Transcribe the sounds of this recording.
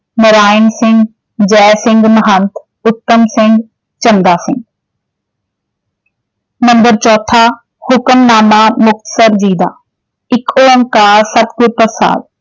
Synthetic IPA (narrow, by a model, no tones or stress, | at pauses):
mɐɾaːɪnsɪ̃ŋɡ | d͡ʑɛːsɪ̃ŋɡmɐɦə̃nt̪ʰ | ʊt̪ːəmsɪ̃ŋɡ | t͡ɕɐmd̪aːsɪ̰̃ŋɡ | nɐ̃mbəɾt͡ɕɔːt̪ʰa | hʊkəmnaːmamʊxt̪səɾd͡ʑiːd̪a̰ː | ɪkʊɽə̃ŋkaːɾsɐt̪ʰɡʊpəsa̰ːd̪